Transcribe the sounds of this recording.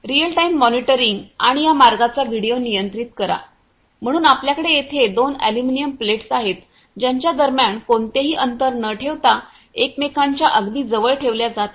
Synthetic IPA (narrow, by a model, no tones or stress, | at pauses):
ɾijəlʈaimːɔniʈəɾiŋɡaɽ̃ijamaɾɡat͡saʋiɽijonijənt̪ɾit̪kəɾa̰ | m̤əɽ̃uːnapljakəɽejet̪ʰed̪onæ̰luminijəmpleʈsaɦet̪ | d͡ʑaɲt͡ɕjad̪əɾmjaɳkoɳt̪eɦiːʔənt̪əɾnəʈʰeʋt̪a | ekmekaɲt͡ɕjaʔəɡd̪iːd͡zəʋəɭʈʰeʋljad͡zat̪